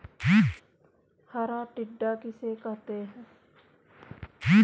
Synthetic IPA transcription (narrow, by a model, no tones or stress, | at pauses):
kiː | haɾaːʈɪɖːaːkɪseːkɐɦt̪eɦɛ̃ː | kiː